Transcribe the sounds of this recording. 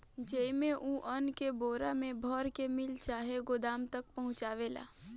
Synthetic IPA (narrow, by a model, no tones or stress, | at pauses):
d͡ʒemẽʔuʔənkeboːɾamẽbʱɔːɾkemɪlt͡ʃaːɦeɡʊd̪aːmt̪ək̚pɐɦʊ̃t͡ʃaːʋeːla̰ː